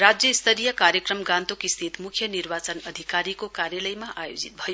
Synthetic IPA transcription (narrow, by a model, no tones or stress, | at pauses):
ɾad͡zjʌist̪ʰʌɾijʌkaɾjʌkrʌmɡant̪okist̪ʰit̪mukʰjʌniɾbat͡sʌnʌd̪ʱikaɾikokaɾjʌləjmaʔajod͡zit̪̚bʱʌjo